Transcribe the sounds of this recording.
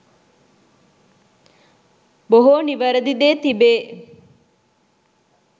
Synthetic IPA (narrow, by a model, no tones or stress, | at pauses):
boɦoːniʋɐɾɐd̪id̪eːt̪ibeː